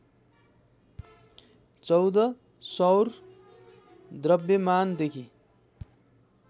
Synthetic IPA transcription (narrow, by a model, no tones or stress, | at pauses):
t͡sʌwd̪ʌ | sʌwr | d̪rʌbjʌmand̪ekʰi